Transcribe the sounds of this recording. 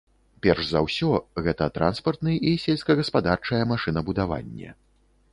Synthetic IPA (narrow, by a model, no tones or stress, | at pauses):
pʲɛrʐzawsʲɔɣɛt̪ɐt̪ɾʔa̰nspɐrt̪nɨisʲelʲsʲkɐɣɐspad̪art͡ʂɐjɛmaʂɨnɐbud̪ava̰nʲːɛ̰